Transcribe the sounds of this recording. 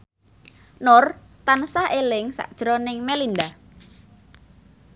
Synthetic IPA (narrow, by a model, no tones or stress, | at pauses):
nʊr | t̪ansahelɪŋsa̰ʔd̥ʒ̥ɾɔnɪŋmelind̪a